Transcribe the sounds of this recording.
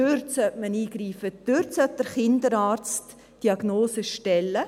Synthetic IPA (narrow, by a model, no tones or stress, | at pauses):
ørtsœtməniːɡriːfəd̥ørtsœt̚d̥əɾχɪndəɾɑːrt͡st | d̥iɑɡ̥noːsəʃtɛlːə